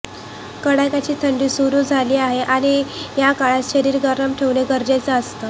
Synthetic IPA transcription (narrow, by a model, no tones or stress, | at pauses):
kəɽajkat͡ɕiːt̪ʰəɳɖiːsuɾuːd͡zʱaliːaɦeʔaɽ̃ijakaɭat̪ɕəɾiːɾɡəɾəmʈʰeʋneɡəɾd͡ʑat͡səəst̪ə